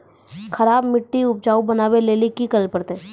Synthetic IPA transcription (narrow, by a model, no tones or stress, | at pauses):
kʰɐɾaːbmɪʈːiʊp̚d͡ʒaːubɐnaːʋeleːlikikɐɾəlpɐɾt̪e